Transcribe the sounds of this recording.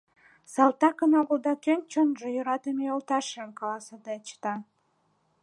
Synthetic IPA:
sɑlt̪ɑkənɑɣulˠd̪ɑkenʲt͡ɕonʒejəɾɑt̪əmeolˠt̪ɑʃnkɑlˠɑsɑd̪et͡ɕt̪ɑ

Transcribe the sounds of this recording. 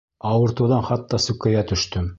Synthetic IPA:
ɑwɤ̆ɾt̪ɤ̆wðɑnχɑt̪ːɑsɵ̆kːæjæt̪ɵ̆ʃt̪ɵm

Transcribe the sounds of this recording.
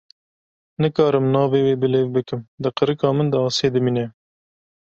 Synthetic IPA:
nɨkɑːɾɨmnɑːveːweːbɨleːvbɨkɨmd̪ɨqəɾɨkɑːmɨnd̪ɨɑːseːd̪ɨmiːnɛ

